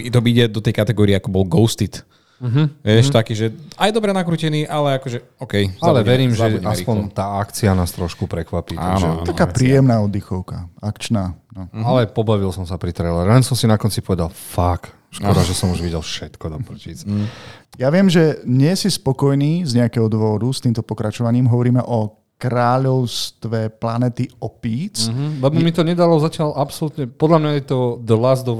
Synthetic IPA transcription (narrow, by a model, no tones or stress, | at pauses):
it̪ɔbiɟɛd̪ɔt̪ɛjkat̪ɛɡɔːɾiɛakɔbɔlɡɔʊst̪it̪ | ɦʋɛʃt̪akiːʒɛajd̪ɔbɾɛnakɾuːcɛniːʔalɛakɔʒɛ | ɔʊkɛjaalɛʋɛɾiːmʒɛaspɔnt̪aːakt͡sianaːst̪ɾɔʃkupɾɛkʋapiːa̰nʒɛakaːpɾiːjɛmnaːɔd̪ːixɔʊka̰akt͡ʃnaːnɔalɛpɔbaʋilsɔmsapɾit̪ɾɛlɛɾɛlɛnsɔmsinakɔnt͡sipɔʋɛd̪alfak | ʃkɔɾaʒɛsɔmuʒʋiɟɛlfʃɛt̪kɔd̪ɔpr̩ciːt͡s | jaʋɪɛmʒɛɲɪɛsispɔkɔjniːzɲɛakɛɦɔd̪ʋɔɾust̪iːmt̪ɔpɔkɾat͡ʃɔʋaɲiːmɦɔʋɔɾiːmɛ̰ʔɔ | kɾaːʎɔʊst̪ʋɛplanɛt̪iɔpiːt͡sɦlɛbɔmit̪ɔɲɛd̪alɔzacɪalʔapsɔlut̪ɲɛpɔd̪lamɲajɛt̪ɔd̪lazd̪ɔ